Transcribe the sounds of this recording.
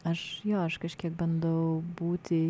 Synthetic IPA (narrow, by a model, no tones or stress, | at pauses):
ɐʃjoːɐʃkɐʃʲkʲiɛkbɐnd̪ɐʋɐʊbuːt̪ʲɪ